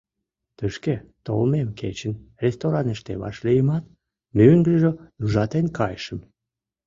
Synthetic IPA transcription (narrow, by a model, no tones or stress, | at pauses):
t̪əʃket̪o̰lmemkʰet͡ɕənrʲest̪oɾɑnəʃt̪ḛβɑ̰ʃlijəmɑt̪ | myŋɡəʒəuʒɑt̪enkɑjʃəm